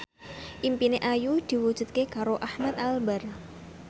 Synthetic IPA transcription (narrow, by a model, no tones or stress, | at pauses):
ʔimpineʔajud̪̥i̤wud̥ʒ̥ṳt̪̚kekaɾoʔahmat̪̚albar